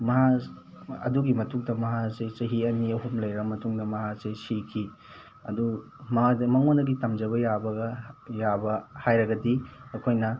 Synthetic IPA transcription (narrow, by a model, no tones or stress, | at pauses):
mɐɦa | ɐ̰duɡimɐtuŋdɐmɐɦat͡ʃejt͡ʃɐɦiɐniɐɦumlɐjɾɐmɐtuŋdɐmɐɦat͡ʃejsikʰi | ɐ̰du | mɐdmɐŋonɐɡitɐmd͡ʒɐβɐjabɐɡɐjabɐhajɾɐɡɐdiɐkʰojnɐ